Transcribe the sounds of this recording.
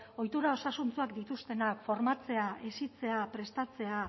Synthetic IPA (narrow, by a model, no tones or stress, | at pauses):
o̞jt̪uɾao̞sasunt͡suakd̪it̪ust̪e̞nakfo̞ɾmat͡se̞aʔesit͡se̞apɾe̞st̪at͡se̞a